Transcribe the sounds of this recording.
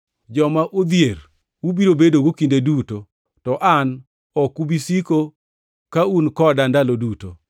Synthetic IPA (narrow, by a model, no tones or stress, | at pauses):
d͡ʒɔmaʔod̪jeɾ | wubiɾobedoɡokindeduto | tɔʔan | ɔkubisiko | kaunkɔdandaloduto